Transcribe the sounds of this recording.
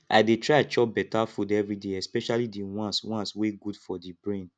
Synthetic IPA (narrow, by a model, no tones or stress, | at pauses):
a̰detɹat͡ʃɔp̚bɛtafudɛvɹideɛspɛʃalidiwãnswãnsweɡudfɔdibɹẽn